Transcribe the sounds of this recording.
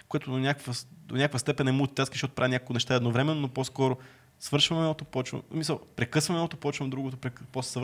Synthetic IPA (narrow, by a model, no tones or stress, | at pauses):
koɛt̪od̪onʲakvəd̪onʲakvəst̪ɛpɛnɛmut̪t̪ʲat̪skizʃɔt̪ʊpɾavinʲakolˠkʊnɛʃt̪aɛd̪novɾɛmɛnːonoposkɔɾo | svɤɾʃvɐmɛot̪opɔt͡ʃvə̰msmisəlˠpɾɛkɤsvɐmɛot̪opɔt͡ʃvɐmd̪ɾuɡot̪opɾɛkpossv